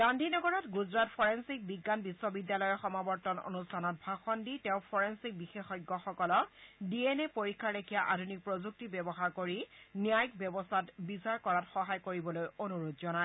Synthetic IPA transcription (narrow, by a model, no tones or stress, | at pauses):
d̥andʱinɔɡɔɹɔtɡuzɹatpʰɔɹensik̚biɡːanbisːɔbidːjalɔjɔxɔmabɔɹtɔno̰nustʰanɔt̚bʱaxɔnditɛʊ̃pʰɔɹensik̚bixexɔjɡːɔxɔkɔlɔdienɛpoɹikʰːaɹekʰijaʔadʱunik̚pɹozuk̚tibɛbɔxaɹkoɹinijajkbɛbɔsʰatbisaɹkɔɹatxɔɦajkoɹibɔlojonuɹod̚zɔnae